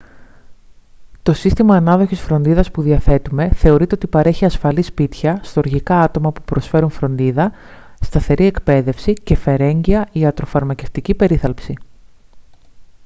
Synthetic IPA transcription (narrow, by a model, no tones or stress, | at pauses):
t̪o̞sist̪imɐːnɐðo̞çisfɾo̞nd̪iðɐspuðiɐθe̞t̪ume̞θe̞o̞ɾit̪e̞ot̪ipɐɾe̞çiɐsfɐlispit̪çɐst̪oɾʝikɐɐt̪o̞mɐpupɾo̞sfe̞ɾunfɾo̞nd̪iðɐ | st̪ɐθe̞ɾʔie̞kpe̞ðe̞fsice̞fe̞ɾe̞ɲɟiɐʔiɐt̪ɾo̞fɐɾmɐce̞ft̪icipe̞ɾiθɐlpsi